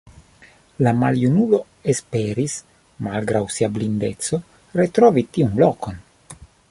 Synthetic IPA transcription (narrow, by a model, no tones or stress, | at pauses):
lamaljunulo̞ | espeɾis | malɡɾawsiablind̪et̪so̞ | ɾet̪ɾovit̪iunlokon